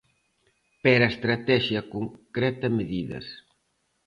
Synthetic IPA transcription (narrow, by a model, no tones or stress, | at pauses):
peɾaest̪ɾat̪ɛʃjɐkoŋkɾɛt̪ɐmeðiðɐ̰s